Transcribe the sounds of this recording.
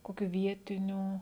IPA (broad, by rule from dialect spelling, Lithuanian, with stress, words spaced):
ˈkoːkʲʊ ˈʋʲiɛtʲɪnʲuː